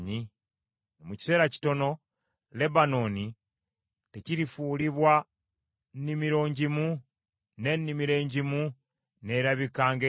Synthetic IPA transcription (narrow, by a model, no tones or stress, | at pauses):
ɲi | nomuci̥se̞ːɾaci̥to̞no̞ | le̞βano̞ːni | te̞ciɾifuːliβwa | nnimiɾo̞ːɲɟimu | ne̞nːimiɾe̞ːɲɟimu | ne̞ɾaβikaːŋɡe